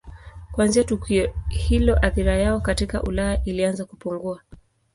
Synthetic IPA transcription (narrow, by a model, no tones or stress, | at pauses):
kwanziatukiɔhilɔʔaθiɾajaɔkatika̰ʔulajaʔilianzakupuŋɡua